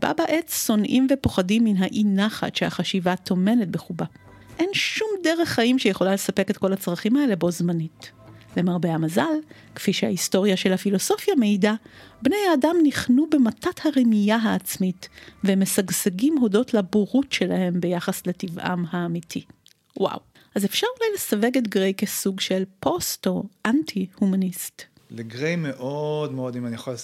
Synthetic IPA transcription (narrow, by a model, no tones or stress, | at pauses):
b̥a̰baʔet͡sso̞nʔimvepo̞χadimːinɦaʔinaχa̰tʃeha̰χaʃivat̪ʰo̞me̞net̚be̞χuba | ʔe̞nʃumde̞ʁeχːaimʃejeχo̞lalesape̞ke̞t̚ko̞lat͡sʁaχimaele̞bo̞zmanitle̞maʁbeamazal | kfiʃeha̰histo̞ʁijaʃe̞lhafilo̞so̞fjameidabnejadamniχnube̞matathaʁimijaɦaːt͡smitvemesaɡseɡimɦo̞do̞tlabuʁutʃe̞lahe̞mbe̞jaχasletivʔa̰mhaːmitʰi | wa̰w | ʔazefʃaʁulajle̞save̞ɡetɡʁejkesuɡʃelpo̞stoʔantʰihumanist | leɡʁejmeʔodmeodimanijaχol